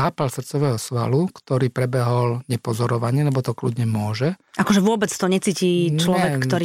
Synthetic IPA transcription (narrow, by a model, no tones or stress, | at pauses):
aːpalsr̩t̪t͡sɔʋɛːɦɔsʋa̰lukt̪ɔɾiːpɾɛbɛɦɔlɲɛpɔzɔɾɔʋaɲɪɛlɛbɔt̪ɔklud̪ɲɛmʊɔʒɛʔakɔʒɛʋʊɔbɛt͡st̪ɔɲɛt͡siːciːt͡ʃlɔʋɛk̪ːɔɾi